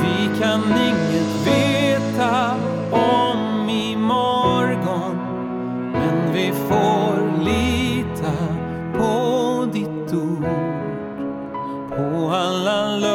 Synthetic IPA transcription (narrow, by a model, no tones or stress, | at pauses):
vɪkʰanɪŋːət̪veːt̪a | ɔmɪ | mɔɾɡɔn | mɛnvɪfoɾlit̪ʰa | pʰɔd̪ɪt̪ːuː | pʰɔalːal